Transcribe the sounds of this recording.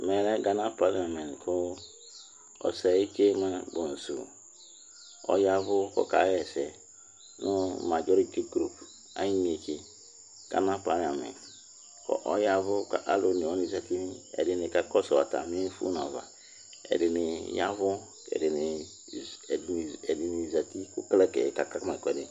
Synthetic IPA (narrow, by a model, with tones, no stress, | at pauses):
mɛ˨ɾɛ˦ɡa˨na˦pa˦la˨mɛ̃˨nkʰʊ˦ | ɔ̰˨˦sɛ˨i˦ke˦ma˦bo˨n̩˨sṵ˨ | ɔ̰˦ja˦vʊ˦kɔ̰˦ka˨˦jɛ˨sɛ˨ | nu˦ma˨d͡ʒɔ˦ɾi˦ti˦ɡɾu˨p | a̰˨˦i˦n˨e˨ke˨ | ɡ̥a̰˨˦na˦pa˦la˨mɛ̰̃˨nt | ɔ̰˨ʔɔ̰˦ja˦vʊ˦ka˨ʔa˨˦lo˨ni˨ɔ˦ni˨za˨ti˦n˦ɛ̰˨dɪ˨ni˨ka˦kɔ˦sɔ˨wa̰˨ta̰˨m˦i˦n˦fṵ˦n˨a˨va̰˨ | ɛ̰˨dɪ˨nɪ˨ja˦vʊ˦ | ɛ̰˨di˨ni˨ | ɛ˨di˨ni˨za˨ti˦ku˦klɛ˦kɛ̰˨ka˨ka˦kma˨kʷɛ˨di˨